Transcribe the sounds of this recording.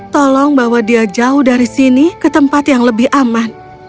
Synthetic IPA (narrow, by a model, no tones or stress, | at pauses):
t̪ɔlɔŋbawadiad͡ʒaʊhdaɾisinikət̪əmpat̪jaŋləbɪhʔaman